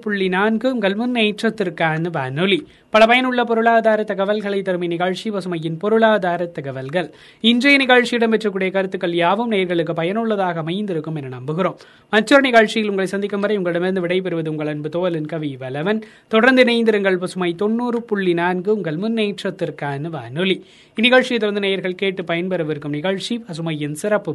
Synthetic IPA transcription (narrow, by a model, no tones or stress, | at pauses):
pʊɭːinaːnɡɯʊŋɡɐɭmʊnːeːʈrɐt̪ːɪrkaːnʋaːnɯli | pɐɭɐpɐjɐnɯɭːɐpɔɾɯɭaːðaːɾɐt̪ːɐɣɐʋɐlɣɐɭɐɪt̪ːɐɾɯmɐɪnɪɣaːɻt͡ʃipɐsɯmɐjɪnpɔɾɯɭaːðaːɾɐt̪ːɐɣɐʋɐlɣɐɭ | ɪndrɐjɐnɪɣaːɻt͡ʃːɪjɪɽɐmpɛʈrɯk̬ːɯːɽɐjɐkɐɾɯt̪ːɯkːɐɭjaːʋɯmneːɐɾɣɐɭɯk̬ːɯpɐjɐnɯɭːɐðaːɣɐːmɐɪnd̪ɪɾɯkːɯmɛnːɐnɐmbɯɣɪroːmː | ɐt͡ʃːɔɾɐnɪɣaːɻt͡ʃɪjɪlʊŋɡɐɭɐɪsɐnd̪ɪkːɐmʋɐɾɐɪʊŋɡɐɭɯɽɐmɪɾɯnd̪ɯʋɪɽɐɪpɛɾɯʋɐðɯʊŋɡɐɭɐnbɯt̪oːɐlɯnkɐʋiʋɐlɐʋɐn | t̪ɔɽɐɾnd̪ɯnɐɪnd̪ɪɾɐŋɡɐɭpɐsɯmɐɪt̪ɔnːuːrɯpʊɭːinaːnɡɯʊŋɡɐɭmʊnːeːʈrɐt̪ːɪrkaːnɯʋa̰ːnɯɭi | ɪnɪɣɐɻt͡ʃijɐt̪ːɔɽɐɾnd̪ɯnɛjɐɾɣɐɭkeːʈːɯpɐjɐnpɛɾɐʋɪɾɯkːɯmnɪɣɐɻt͡ʃipɐs̬ɯmɐjɪnsɪɾɐpːɯ